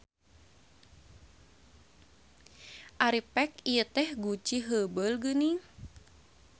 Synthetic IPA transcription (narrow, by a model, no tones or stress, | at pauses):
ʔaɾipɛkijət̪ɛhɡut͡ʃiɦəbəlɡəni